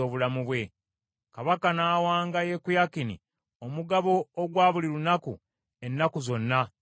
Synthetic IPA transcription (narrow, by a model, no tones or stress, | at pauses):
o̞ːβulamuβwe̞ | kaβakanaːwaːŋɡaje̞kujakinḭ | omuɡaβo̞ːɡwaːβuliɾunakṵ | e̞nːakuzo̞nːa